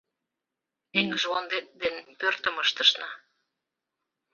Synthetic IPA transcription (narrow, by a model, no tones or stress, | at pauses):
eŋəʒwond̪et̪̚d̪enpørt̪ə̆məʃt̪əʃnɑ